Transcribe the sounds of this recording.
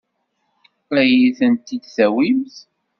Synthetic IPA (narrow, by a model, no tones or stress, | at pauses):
æjiθənt̪id̪θæwimθ